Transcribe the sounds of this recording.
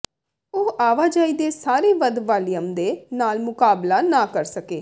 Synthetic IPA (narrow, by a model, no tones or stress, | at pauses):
oːʔaːʋaːd͡ʒaːiːd̪eːsaːɾeːʋəd̪ʋaːlijəmd̪eːnaːlmʊkaːblaːnaːkəɾsəkeː